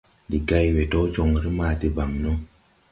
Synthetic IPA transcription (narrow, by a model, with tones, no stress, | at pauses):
di˨ɡa˦jwe˨to˦d͡ʒo˨ŋɾi˦maː˨ti˨ba˨ŋnu˦